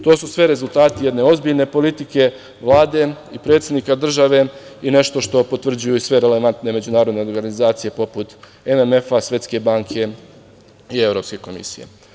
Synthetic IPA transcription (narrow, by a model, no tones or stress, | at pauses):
t̪o̞ːsusʋeɾe̞zulˠt̪aːt̪ije̞d̪ne̞o̞zbiʎne̞po̞lit̪ike̞ | ʋlˠaːd̪e̞ipɾet̪sed̪nikad̪r̩ʒaʋe̞ine̞ʃt̪o̞ʃt̪o̞po̞t̪ʋr̩d͡ʑujuisʋe̞ɾe̞le̞ʋant̪ne̞me̞d͡ʑunaːɾo̞d̪ne̞o̞ɾɡanizaːt̪sije̞po̞put̪ | ememe̞fasʋje̞t̪ske̞baːŋkʰe̞ | ie̞vɾo̞ːpske̞ko̞mḭsijḛ